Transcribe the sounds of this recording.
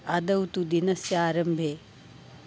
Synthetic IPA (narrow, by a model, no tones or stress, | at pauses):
ɐd̪ɐwt̪ud̪inɐsjaːɾɐmbʱe